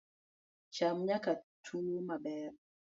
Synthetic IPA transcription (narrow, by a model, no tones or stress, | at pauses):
t͡ʃamɲakatʰunumaɓɛɾ